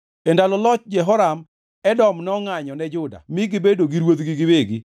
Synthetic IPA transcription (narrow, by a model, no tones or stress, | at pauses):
endalɔlɔt͡ʃd͡ʒɛɦɔɾam | ɛdɔmnɔŋaɲɔnɛd͡ʒʊda̰mɪɡiɪbedoɡiɾwot̪ɡɪɡɪweɡi